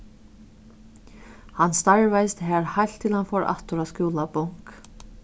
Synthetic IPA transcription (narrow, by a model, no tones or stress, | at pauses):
hanːst̪aɹvajst̪ɦɛːɹhajl̥t̪ʰːɪlhanfɔːɾʔa̰ht̪ʊɾaðskjuːlapɔŋ̥k